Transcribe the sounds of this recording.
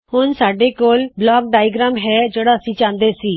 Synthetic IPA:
hoːnsaɖekoːlblɔːk̚ɖaːjɡɾamɦɛd͡ʒeɽaəsĩt͡ɕãnd̪eəsiː

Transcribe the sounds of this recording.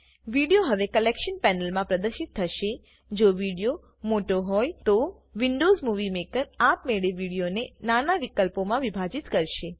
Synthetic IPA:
ʋiɽijoɦəʋekəlekʃənpɛnəlmãpɾəd̪əɾʃit̪ʰːəʃe | d͡ʒoʋiɽijo | moʈoɦɔjt̪o | ʋiɳɖozmuʋimekəɾapmeɭeʋiɽijonenanaʋikəlpomãʋibʱad͡ʒit̪kəɾʃe

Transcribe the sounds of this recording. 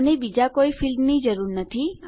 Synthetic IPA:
nebid͡ʒakoifilmnid͡ʒəɾuɾnət̪ʰi

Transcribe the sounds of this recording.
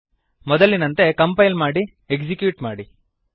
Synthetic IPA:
mɔd̪ɐlːinɐnt̪e̞kɐmpɐjlmaːɽi | ekd͡ʒikjuːʈmaːɽi

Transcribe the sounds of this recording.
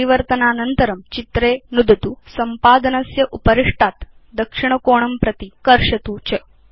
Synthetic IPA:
iʋɐɾt̪ɐnaːnɐnt̪ɐɾɐmt͡ʃit̪ɾeːnud̪ʱɐt̪usɐmpaːd̪ɐnɐsjɐʔupɐɾiʂʈaːt̪ | d̪ɐkʂiɳ̃ɐkoːɳ̃ɐmpɾɐt̪ikɐɾʂɐt̪uːt͡ʃɐ

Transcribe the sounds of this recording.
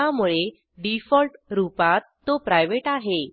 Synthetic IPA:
amuɭe | ɖifɔlʈɾupat̪ːopɾajʋeʈaɦe

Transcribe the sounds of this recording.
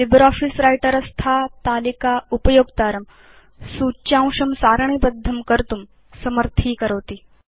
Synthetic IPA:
libəɾɔːfisɾajʈəɾɐst̪ʰat̪aːlikaupɐjoːɡt̪aːɾɐm | sut͡ɕjãw̃ʂɐmsaːɾɳ̃iːbəd̪ʱːɐmkəɾt̪um | sɐməɾt̪ʰiːkɐɾɐʋt̪iː

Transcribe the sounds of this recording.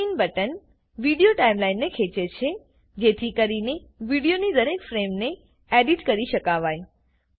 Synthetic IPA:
inbəʈən | ʋiɽijoʈaimlainːekʰet͡ʃet͡ʃʰe | d͡ʒet̪ʰikəɾine | ʋiɽijonid̪əɾekfɾemne | ɛɖiʈkəɾiʃəkaʋaj

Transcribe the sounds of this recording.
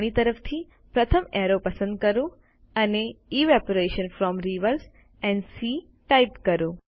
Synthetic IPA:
ɽ̃it̪əɾəpʰt̪ʰi | pɾɐt̪ʰəmeɾopɐsə̃nd̪̚kəɾũ | ɐneiːʋɛpoɾeʃənfɾɔːmɾiʋəɾs | ɛ̃ɳɖsiː | ʈaɪpkɐɾũ

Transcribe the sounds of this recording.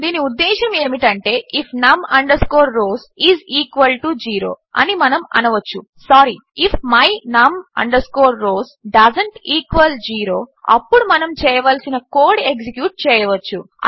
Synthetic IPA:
d̪iːniud̪ːɛːʃɐmeːmiʈɐɳʈe̞ːʔipʰnɐmɐɳɖɐɾskoːɾɾoːz | iːziːkʋɐlʈud͡ʒiːɾo̰ː | ɐ̰nimɐnɐmɐ̰nɐʋɐt͡ʃːu | saːɾi | ipʰmɐjnɐmɐ̰ɳɖɐɾskoːɾːoːzɖɐzɐɳʈiːkʋɐld͡ʒiːɾoːɐ̰pːuɽumɐnɐmt͡ʃɛːjɐʋaːlsinɐkoːɽeks̬ikjuːʈ̚t͡ʃɛːjɐʋɐt͡ʃːu

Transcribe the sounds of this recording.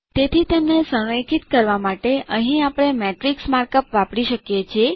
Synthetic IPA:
t̪et̪ʰit̪emnesə̃əjkʰit̪kəɾʋamaʈeʔəɦĩapɽ̃emeʈɾiksmaɾkəpʋapɽiʃəkjet͡ʃʰie

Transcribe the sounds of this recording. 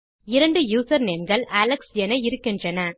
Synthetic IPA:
ɪɾɐɳɖɯjuːsɐɾneːmɡɐɭʔɐlɐksɛnɐɪɾɯkːɪndrɐnɐ

